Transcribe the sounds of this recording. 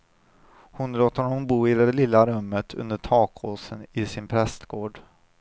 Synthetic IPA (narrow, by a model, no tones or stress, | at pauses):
hʊnloːt̪hɔnɔmbuːɪd̪ɛlɪlːaɾɵmːət̪ʰɵ̰nd̪əʈʰɑːkʰhoːsənɪsɪnpʰɾɛst̪ɡoːɖ